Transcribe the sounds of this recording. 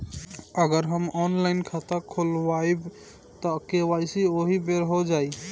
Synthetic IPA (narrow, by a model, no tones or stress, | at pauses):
əɡəɾɦəmɔnlaɪnkʰat̪akʰolwajb | t̪ɔkewaɪsioɦibeɾɦod͡ʒaːi